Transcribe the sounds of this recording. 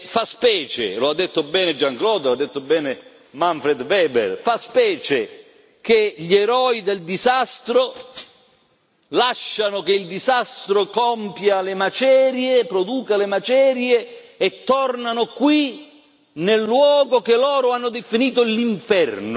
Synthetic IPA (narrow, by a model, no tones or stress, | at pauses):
faspɛːt͡ʃḛload̪ːet̪ːʊbɛːned͡ʒaŋklɔːd̪ad̪ːet̪ːʊbɛːne | maɱfɾed̪vɛːbḛrfaspɛːt͡ʃe | keʎeɾɔːid̪eld̪izast̪ɾo | laʃːanʊk̟eild̪izast̪ɾokɔmpjalemat͡ʃɛːɾjepɾod̪uːkalemat͡ʃɛːɾjeːt̪ːɔrnanʊkwi | nelːwɔːɡokelɔːɾʊanːʊd̪efiniːt̪ʊliɱfɛrnʊ